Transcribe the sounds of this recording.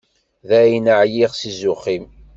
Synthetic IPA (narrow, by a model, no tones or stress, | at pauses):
ðæjnəʕjiʁsizʊχim